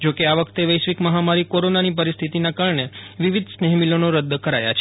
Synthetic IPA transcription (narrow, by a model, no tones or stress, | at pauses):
d͡ʒokeaʋəkʰt̪eʋəjʃʋikməɦamaɾikoɾonanip̬əɾist̪ʰit̪inakaɾɳeʋiʋid̪ʱsnɛɦmilonoɾəd̪ːkəɾaja̰t͡ʃʰe̥